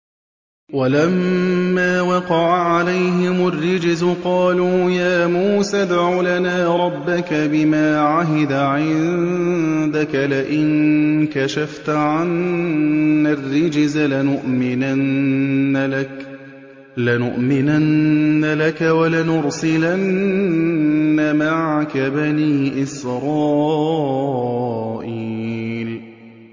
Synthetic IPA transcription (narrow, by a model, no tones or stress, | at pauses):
walamːaːwɑqɑʕaʕalajhɪmʊrːɪd͡ʒzʊqɑːluːjaːmuːsad̪ʕuːlanaːɾˤɑbːakabɪmaːʕaɦɪd̪aʕɪnnnd̪akalɪʔɪnkaʃaft̪ʕanː | arːɪd͡ʒzalanʊʔmɪnanː | lɪnʊʔmɪnanːalakawalanʊɾsɪlan | amaʕkabaniːʔɪsɾˤɑː | ʔiːl